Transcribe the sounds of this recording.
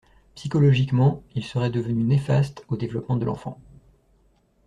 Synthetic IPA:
psikɔlɔʒikmɑ̃ilsəʁɛd̪əvənynefast̪od̪evlɔpmɑ̃d̪əlʔɑ̰̃fɑ̰̃

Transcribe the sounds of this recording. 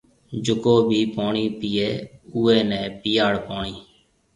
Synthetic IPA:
d͡ʒʊkoːbʱiːpoːɳiːpiːeːuːeːnɛ̃ːpɪjaːɽpoːɳiː

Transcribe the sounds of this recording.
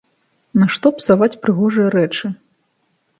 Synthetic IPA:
nɐʂt̪ɔpsavat͡sʲpɾɨɣɔʐɨjɐɾɛt͡ʂɨ

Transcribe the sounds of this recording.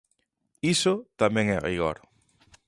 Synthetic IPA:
isot̪amẽŋɛʁḭɣo̰ɾ

